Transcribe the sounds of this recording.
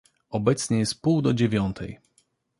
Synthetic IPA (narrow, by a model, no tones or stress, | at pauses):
ɔbɛt̪sɲɛjɛst̪̚puwd̪ɔd͡ʑevʲjɔnt̪ʰɛj